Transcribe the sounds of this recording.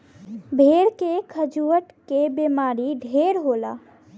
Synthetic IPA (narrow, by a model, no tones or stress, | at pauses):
bʱeɾkekʰəd͡ʒuəʈkebemaɾiɖʱeɾɦola̰